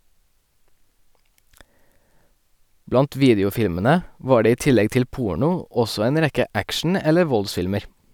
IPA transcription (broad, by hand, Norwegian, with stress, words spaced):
ˈblɑnt ˈʋiːdɪʊˌfɪlmənə ˈʋɑː ˈɖeː ˈiː ˈtɪlɛɡ ˈtɪl ˈpuːɳʊ ˈɔsɔ ˈeːn ˈɾɛkə ˈækʃn̩ ˈɛlə ˈʋɔlˌsfɪlməɾ